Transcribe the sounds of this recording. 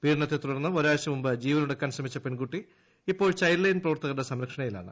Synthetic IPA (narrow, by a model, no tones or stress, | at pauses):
piːɾɳɐt̪ːet̪uɽɐnːɨoɾaːɐɕɐmumbɨd͡ʑiːʋɐnuɽɐkːaːnɕɐmit͡ɕːɐpe̞nkuʈːi | ipːo̞ːɭt͡ɕɐjllːɐjnprɐʋɐrt̪ɐɣɐɽesɐmɾɐkʂɐɳɐjila̰ːɳɨ